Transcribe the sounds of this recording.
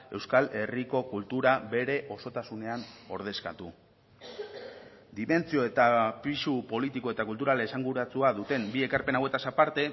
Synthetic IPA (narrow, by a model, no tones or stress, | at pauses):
e̞wskale̞riko̞kult̪uɾabe̞ɾe̞ʔo̞so̞t̪asune̞ano̞ɾð̞e̞ska̰t̪u | d̪ime̞nt͡sio̞e̞t̪apisupo̞lit̪iko̞e̞t̪akult̪uɾalesaŋɡuɾat͡suaðut̪e̞mbie̞kaɾpe̞nawe̞t̪asapaɾt̪e̞